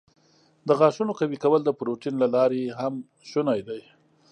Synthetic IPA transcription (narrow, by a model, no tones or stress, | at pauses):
d̪əɣɑʃunokawikawəld̪əpɾoʈinlalɑɾeɦam | ʃunajd̪aj